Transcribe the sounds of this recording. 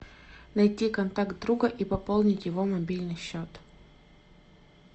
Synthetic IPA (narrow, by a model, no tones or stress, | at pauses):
nɐjtʲikɐnt̪akt̪̚d̪ɾuɡəʔipɐpolˠnʲɪtʲjɪvo̞mɐbʲilʲnɨjɕːot̪